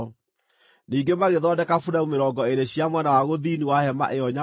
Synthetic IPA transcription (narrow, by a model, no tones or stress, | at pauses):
niːŋɡemaɣeðɔdɛkafudaumeɾɔːŋɡɔeɾeɕjamwɛnawaɣoðiːniwahɛma̰ʔeɔɲa